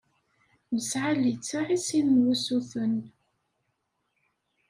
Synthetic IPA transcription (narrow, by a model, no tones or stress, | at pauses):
məsʕalit͡sːaʕisinnwusuθən